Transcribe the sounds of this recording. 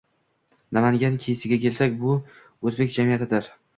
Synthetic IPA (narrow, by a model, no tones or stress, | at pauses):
namaŋɡʲankʲʰejsɪɡʲakʲʰe̞lsakʲbʊ | ozbe̞k̚ʲd͡ʒamijat̪ɪd̪ɪɾ